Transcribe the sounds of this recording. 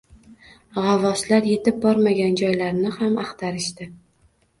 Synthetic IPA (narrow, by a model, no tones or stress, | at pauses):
ʁɑvɒslaɾje̞t̪ɪb̚bɒɾmaɡʲand͡ʒɒjlaɾnɪhamɑqt̪ʰaɾɪʃt̪ɪ